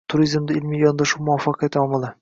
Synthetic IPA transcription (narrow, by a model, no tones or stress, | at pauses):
t̪ʰʊɾizmd̪ɪɪlmijjɒnd̪ɑʃuwmʊɒfːɑqʰɑjat̪ɒmɑlˠɪ